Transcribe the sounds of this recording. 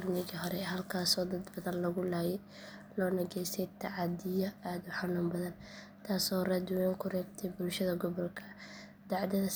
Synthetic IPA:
rnɪɣiɦɔɾɛɦɐlkʰaːsɔːd̪ɐd̪bɐðɐnlɐɣʊlaːjɛ | lɔːnɐɣɛjsɛjt̪ʰɑʕɑd̪ɪjɐaːd̪ʊħanuːmbɐðɐn | t̪ʰaːsɔːraːd̪ɪwɛŋkʰʊrɛːbt̪ʰɛjbʊlʃɐðɐɡɔβɔlkʰɐ | d̪̥ɑʕd̪ɛðɐ

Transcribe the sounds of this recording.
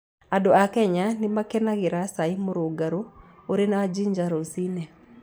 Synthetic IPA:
adoakɛɲanɪmakenaɣeɾasaimoɾoɡaɾooɾenaad͡ʒiɲd͡ʒaɾosinɛ

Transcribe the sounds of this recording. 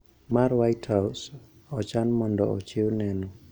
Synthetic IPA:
maɾwajthaws | ɔt͡ʃanmɔndɔɔ̰t͡ʃɪwnɛnɔ

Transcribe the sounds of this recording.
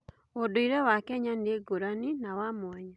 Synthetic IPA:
odoiɾɛwakɛɲandeɡoɾaninawamwɛɲa

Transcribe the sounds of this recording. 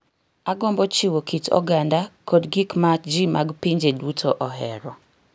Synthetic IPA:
aɡɔmbɔt͡ʃiwokʰitʰɔ̰ɡandakʰodɡikmad͡ʒimʔaɡpiɲd͡ʒedutʰoʔɔɦɛ̰ɾɔ

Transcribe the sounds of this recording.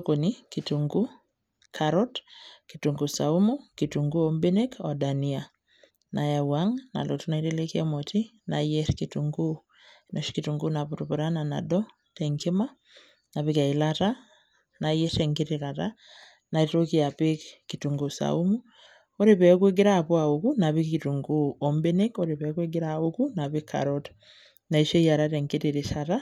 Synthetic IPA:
konikituŋɡu | kʰaɾɔtkituŋɡusaumukituŋɡuɔmbinekɔdania | najawaŋna̰lotunaiɾɛlekiamɔti | najɛɾkituŋɡu | nɔʃkituŋɡunapuɾupuɾanana̰dɔ | tɛŋkima | naβikailata | najɛtɛŋkiɾiɾaɾa | naitokiapekkituŋɡusa̰umu | ɔɾepɛɔkweɡiɾapwaukunaβikituŋɡuɔmbenekɔɾepɛkweɡiɾaukunaβikʰːa̰ɾɔt | naiʃejaɾatɛŋkiɾiɾiʃaɾa

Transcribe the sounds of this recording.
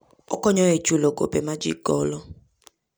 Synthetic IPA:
ɔ̰kɔɲɔet͡ʃulɔɡo̰pɛmad͡ʒḭɡɔːlɔ

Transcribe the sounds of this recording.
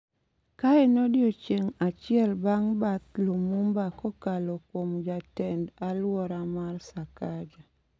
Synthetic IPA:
kaɛnɔdjot͡ʃeŋat͡ʃɪɛlbaŋbat̪̚lomumbakɔkalɔkwomd͡ʒatɛndalwɔɾamarsakad͡ʒa

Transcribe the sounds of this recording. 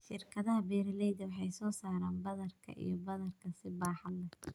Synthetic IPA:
ʃɪrkʰɐðɐɦɐbɛːɾɐlɛjðɐwɑħɑjsɔːsaːɾaːnbɐðɐrkʰɐ̰ʔḭjɞbɐðɐrkʰɐsɪbaːħɑlɐ

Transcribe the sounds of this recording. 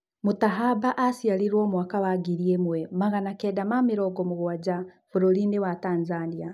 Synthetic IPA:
mutaɦabaʔasialiɾwoːmuwakawaɡiɾiemwemaɣanakedamamiɾɔɡomuɣuwad͡ʒa | βuɾolinewataːnzania

